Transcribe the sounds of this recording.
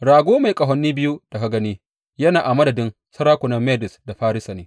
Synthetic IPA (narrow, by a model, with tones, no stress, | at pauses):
ɽaː˨ɡʷoː˦ma˨jkʼɐ˨ɦɔ˨nːiː˦bɪ˦ju˦ta˨kɐ˦ɡɐ˦niː˦ | jɐ˦naː˨ʔa˨mɐ˦dɐ˨dɪ˦n | sɐ˦ɾaː˦kʷʊ˨nɐ˦mːeː˦dɪ˨sda˨ɸaː˦ɾɪ˦sa˨neː˦